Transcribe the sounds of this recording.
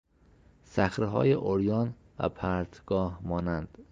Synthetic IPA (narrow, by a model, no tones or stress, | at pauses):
sæxɾeɦɒ̰ːjeʔoɾjɒːn | væ̰pʰæɾt̪ʰɡ̥ɒːhmɒːnænd̪̥